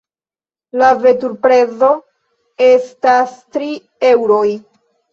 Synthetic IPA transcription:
lave̞tuɾpɾe̞zo̞ | e̞stastɾi | e̞wɾo̞j

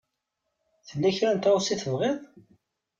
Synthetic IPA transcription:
θəlːæçɾænt̪osiθəvʁeðˤ

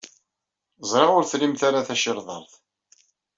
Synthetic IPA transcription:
zˤɾˤɑʁʊɾθlimθaɾaθæʃɪɾðˤɑ̰ɾˤθ

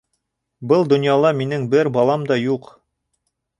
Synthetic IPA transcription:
bɤlˠd̪ŏnjɑlˠɑminɘŋbɘɾbɑlˠɑmd̪ɑjuq

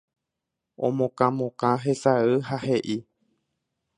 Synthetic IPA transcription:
õ̰mõkãmõkãɦesaɨhaheʔi

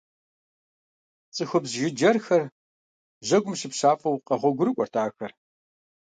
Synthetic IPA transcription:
t͡sʼɨxɔbzʒɪd͡ʒɐrxɐr | ʑɐɡʷʊmɕɪpɕaːfʼɐwqɐʁʷɔɡʷʊɾɨkʷʼɔrtʰaːxɐr

